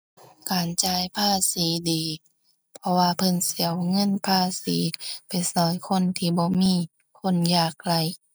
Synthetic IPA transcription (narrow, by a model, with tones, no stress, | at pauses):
kaː˨nt͡ɕaː˧˩jpʰaː˧˥˨siː˨˦diː˨˩ | pʰɔ˧waː˧pʰɤ˧˨nsi˨˦əwŋɤ˧˥˨npʰaː˧˥˨siː˨˦pa˨˩jsɔː˨˦jkʰo˧˥˨nt̪ʰiː˧˩bɔː˧˦miː˧˥˨ | kʰo˧˥˨njaː˧˩k̚la˧˩˨j